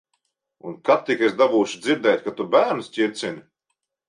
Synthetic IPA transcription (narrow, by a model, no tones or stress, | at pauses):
unkat̪ːikʲesd̪abuːʃid̪ziɾd̪ɛːjt̪̚ʲkat̪ubæːɾnsʲcʲiɾʲt̪sinʲi